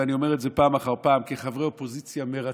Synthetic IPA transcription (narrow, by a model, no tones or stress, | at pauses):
anio̞meetzepaːmaχaʁpaːmkeχavʁeo̞po̞zit͡sjameʁa